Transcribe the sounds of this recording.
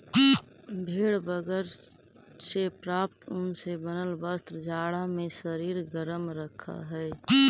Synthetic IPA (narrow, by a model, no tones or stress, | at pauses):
bʱeːɽbəɡəɾ | sepɾaːpt̪ʊnsebənəlbəst̪ɾd͡ʒaːɽamẽʃəɾiːɾɡəɾəmɾəkʰːa̰ɦɛː